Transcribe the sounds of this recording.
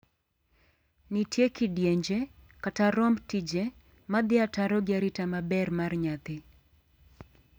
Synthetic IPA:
nitjekidjeɲd͡ʒe | kataɾɔmtid͡ʒe | mad̪ɪataɾɔɡjaɾɪtamabɛrmarɲat̪ɪ

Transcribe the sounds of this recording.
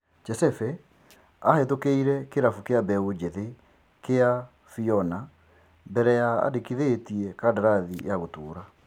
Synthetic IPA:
d͡ʒɛsɛfɛ | ahɛtokeiɾɛkeɾafukeabɛod͡ʒeðe | kea | fiɔna | mbɛɾɛjaa̰dekiðetiɛkadaɾaðijaɣotoːɾa

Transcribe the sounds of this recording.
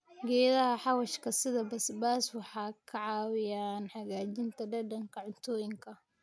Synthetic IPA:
ɡɛːðɐɦɐħɑwɐʃkʰɐsɪðɐbɐsbaːswɑħɑːkʰɐʕɑːwɪjaːnħɑɣaːt͡ʃɪnt̪ʰɐɖɐɖɐŋkʰɐʕʊnt̪ʰɔːjɪŋkʰɐ

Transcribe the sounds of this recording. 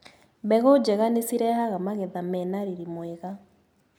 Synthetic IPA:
bɛɣɔd͡ʒɛɣanesiɾɛhaɣamaɣɛðamɛnaɾiɾimwɛɣa

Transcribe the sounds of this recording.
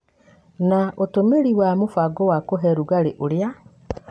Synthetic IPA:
naotomeɾiwamofwaɡɔwakoɦɛɾuɣaɾeʔoɾja

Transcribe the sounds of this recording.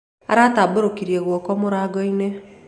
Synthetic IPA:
a̰ɾataboɾokiɾjeɣɔkɔmoɾaɡɔine

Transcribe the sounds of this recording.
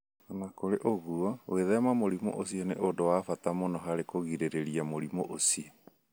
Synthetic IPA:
anakoɾeʔoɣuɔweðɛmamoɾimo̰ʔosiɔneʔodowafatamonɔɦaɾekoɣiɾeɾeɾiamoɾimoʔosiɔ

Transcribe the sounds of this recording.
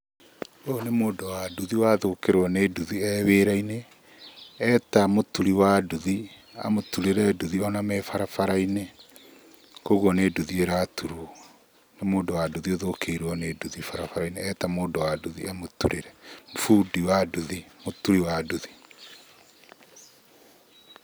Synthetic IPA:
onemoːdowaduðiwaðokeɾwɔneduðiɛβeːɾaineː | tamotuɾiwaduðia̰motuɾeɾɛduðiɔnamɛfaɾafaɾaine | koɣɔneduðieɾatuɾu | namoːdowaduðioðokeɾɔneduðifaɾafaɾaineɛtamoːdowaduðḭamotuɾeɾɛmfudiwaduðimotuɾiwaduði

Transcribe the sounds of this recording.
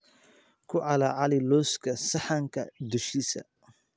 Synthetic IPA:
kʰʊʕɑlaʕɑlɪlɔːskʰɐsɐħɑŋkʰɐd̪ʊʃisɐ̰

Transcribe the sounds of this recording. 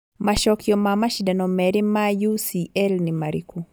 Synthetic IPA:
maʃɔkjɔmamaʃidanɔmɛɾɪmajusiɛlnimaɾḭkʰu

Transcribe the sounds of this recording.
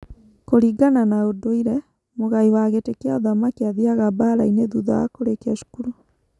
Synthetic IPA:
koɾiɡananaodoiɾɛ | moɣaiwaɣetekeaoðamakeaðiaɣabaːɾaineðuða̰a̰koɾekeaʃu̥kuɾu

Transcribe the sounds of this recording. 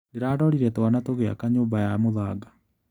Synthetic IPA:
neɾaːdɔɾiɾɛtwanatoɣea̰kaɲoːmbajamoðaːɡa

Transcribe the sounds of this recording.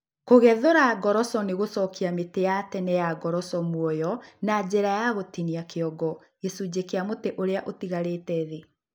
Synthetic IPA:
koɣɛðoɾaɡɔɾɔsɔneɣosɔkiametejatɛnɛjaɡɔɾɔsɔmwɔjɔnad͡ʑeɾajaɣotiniakeɔɡɔ | esud͡ʑekeamoteʔoɾeaʔotiɣaɾetɛðe

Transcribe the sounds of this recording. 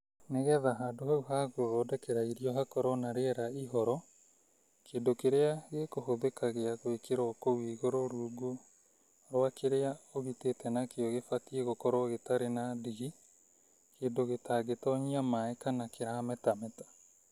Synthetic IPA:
neɣɛðaɦaːndohauɦaɣoðɔːdɛkɛɾaiɾiɔɦakɔɾɔnaɾeɾaiɦɔɾɔ | kʰendokeɾeaɣekohoðekaɣeaɣwekeɾɔkowiːɣoɾɔɾuːɡo | ɾwakʰeɾeaoɣitetɛnakeɔɣefatieɣokɔɾoɔɣetaɾenadiɣi | keːndoɣetaɡetɔɲiamaɛkanakeɾamɛtamɛtḁ

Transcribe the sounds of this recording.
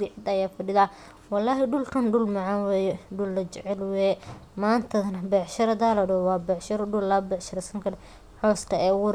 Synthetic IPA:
ɾɪʕɪd̪ɐjaːfɐɖɪðaː | wɑlːaːɦɪɖʊlkʰɐnɖʊlmɐʕɑnwɛːjɛɖʊlːɐt͡ʃɛʕɛlwɛː | maːnt̪ʰɐðɐnɐbɛʕʃɐɾɐd̪aːlɐɖɔwɑːbɛʕʃɐɾɐɖʊlːɐbɛʕʃɐɾɐsɐŋkʰɐɾɛ | ħɔːst̪ʰɐɛːwʊɾ

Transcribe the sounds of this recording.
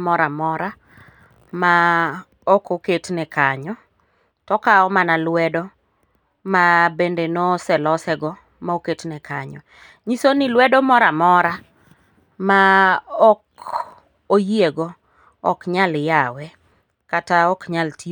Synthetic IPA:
mɔɾamɔɾa | ma | ɔkoketnɛkaɲɔ | tɔkaɔmanalwɛdɔ | mabendenosɛlɔsɛɡɔ | maoketnɛkaɲɔ̰ | ɲisonilwɛdɔmɔɾamɔɾa | maɔk | ojeɡɔ | ɔ̰kɲaljawɛ | kataɔkɲalti

